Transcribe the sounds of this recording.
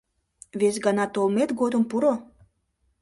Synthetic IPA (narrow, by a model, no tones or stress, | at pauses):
βes̬ɡɑnɑt̪olmet̪ɡod̪ŏmpuɾo